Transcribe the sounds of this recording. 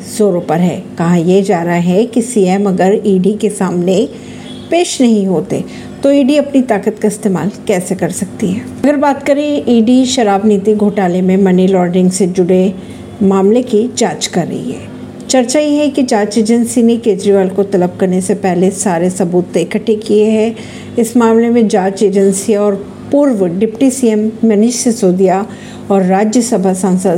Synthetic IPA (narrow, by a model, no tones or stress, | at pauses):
z̥oːɾopɐɾɦɛ̰ːkɐɦãjed͡ʒaːɾɦaɦɛkisiːɛmɐɡəɾiːɖikesaːmne | peːʃnɐɦĩɦoːt̪ḛ | t̪oiːɖiɐpnit̪aːkət̪kaɪst̪eːma̰ːlkɛːsekɐɾsɐk̚t̪iɦɛːɐɡəɾbaːt̪kɐɾẽiːɖiʃɐɾaːbniːt̪iɡʱoːʈaːlemẽmɐnilɔːɾɖɪ̃ŋɡsed͡ʒʊɽe | maːmlekid͡ʒaːt͡ʃkɐɾːɐ̰ɦḭɦɛ̰ː | t͡ʃɐɾt͡ʃajeɦɛkid͡ʒaːt͡ʃeːd͡ʒənsinekeːd͡ʒɾiʋaːlkot̪ɐləb̚kɐɾnesepɛɦlesaːɾesɐbuːt̪ːeɪkəʈʰːekieɦɛ | ɪsmaːmlemẽd͡ʒaːt͡ʃeːd͡ʒənsiɔːɾ | pʊɾʋɖɪpʈisiːɛmːɐnɪʃəsoːd̪ija | ɔːɾːaːd͡ʒjəsɐbʱasãːnsəd̪